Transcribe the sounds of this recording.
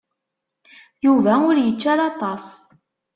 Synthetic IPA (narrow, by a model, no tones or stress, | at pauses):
juvæʊɾjət͡ʃːaɾˤɑt̪ˤɑsˤ